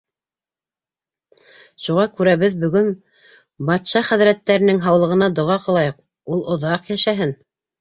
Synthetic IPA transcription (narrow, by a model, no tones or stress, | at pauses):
ʃuʁɑkʉɾæβɘðbɵ̆ɡɵn | bɑt̪ʃɑχɘ̆ðɾæt̪ːæɾɘ̆nɘŋɦɑwlˠɤ̆ʁɤ̆nɑd̪ŏʁɑqɤ̆lˠɑjɤq̚ | ulˠŏðɑqjæʃæɦɘn